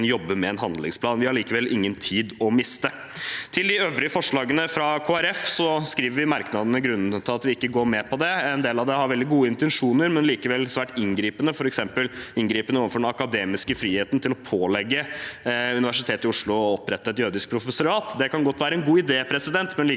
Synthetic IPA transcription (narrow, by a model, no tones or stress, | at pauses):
njɔbːəmɛːnɦɑnd̪lɪŋspʰlɑːnʋɪhɑɾɭiːkəʋɛlʔɪ̰ŋːənt̪ʰiːd̪ɔmɪst̪ə | t̪ʰɪld̪ɪøːʋɾɪəfɔʂɭɑːɡənəfɾɑkʰoːæɾɛfsɔskɾiːʋəɾʋɪmɑɾknɑd̪ənəɡɾʉnːn̩t̪ʰɪlɑt̪ʋɪɪkːəɡoːɾmɛpʰɔd̪ɛɛnd̪eːlɑʋd̪ɛhɑɾʋɛld̪ɪɡuːəɪnt̪ɛnʂuːnəɾmɛnliːkəʋɛlːsʋæːʈɪŋɡɾiːpənəfɔɾɛksɛmpəlɪŋɡɾiːpənəoːʋənfɔɖɛnɑkɑd̪eːmɪskəfɾiːheːt̪n̩t̪ʰɪlɔpʰoːlɛɡːə | ʉnɪʋæʂɪt̪ʰeːt̪ɪʊʂɭʊɔpɾɛt̪ːəɛt̪jøːd̪ɪsk̚pʰɾʊfəsʊɾɑːt̪d̪ɛkɑnɡɔt̪ːʋæːɾəɛnɡuːɪd̪eːpʰɾɛsɪd̪ɛnt̪mɛnliː